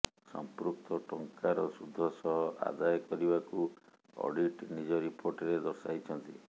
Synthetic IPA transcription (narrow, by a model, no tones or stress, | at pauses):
sɔ̰mpɾukt̪ɔʈɔŋkaɾɔsud̪ʱːɔsɔɦɔʔa̰d̪ajkɔɾibaku | ɔ̰ɖiʈnid͡ʒɔɾipʰoɾʈɔɾed̪ɔɾsajt͡ʃʰɔnt̪i